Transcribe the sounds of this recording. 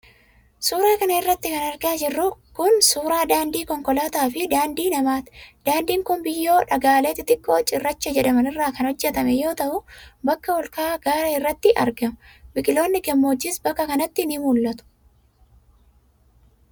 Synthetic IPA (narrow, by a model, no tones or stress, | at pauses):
suːɾeːkɐnɐɪrːɐt̪ːɪkɐnɐɾɡɪaːd͡ʒɪrːʊkʊnsuːɾaːd̪aːnd̪iːkɔŋkɔlaːt̪aːfɪd̪aːnd̪iːnɐmaːt̪d̪̥aːnd̪iːŋkʊnbɪjːo̞ːᶑɐɡaːleːt̪ɪt̪ʼɪkʼːo̞ːt͡ʃʼɪrːɐt͡ʃːɐd͡ʒɛᶑɐmɐnɪrːaːkɐnhɔd͡ʒːɛt̪ɐmɛjo̞ːt̪ɐʔʊbɐkːɐwɔlkaːɡ̥aːɾɐɪrːɐt̪ːɪʔɐɾɡɐmʊbɪkʼɪlo̞ːnːɪkɛmːoːd͡ʒːɪsbɐkːɐkɐnɐt̪ːɪnɪmuːlːɐt̪ʊ̥